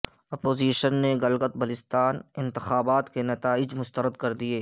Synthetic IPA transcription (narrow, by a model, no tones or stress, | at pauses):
ɐpoːziːʃənːeɡɐlɡət̪̚bɐlɪst̪aːnɪ̃nt̪ɪxaːbaːt̪kenɐt̪aːɪd͡ʒmʊst̪əɾəd̪kɐɾd̪ieː